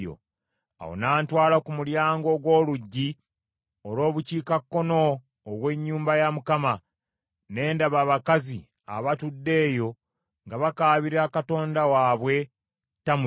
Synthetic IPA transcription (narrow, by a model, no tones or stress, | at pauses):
o̰ | a̰wo̰naːntwaːlakumuljaːŋɡo̞ɡwo̞ːluɟːi | olo̞ːβuciːkakːo̞no̞ː | ɡwe̞ɲːuːmbajamukama | ne̞ːndaβaːβakazi | a̰βatudːe̞ːjo̞ | ŋɡaβakaːβiɾakato̞ːndawaːβwe̞ | tamu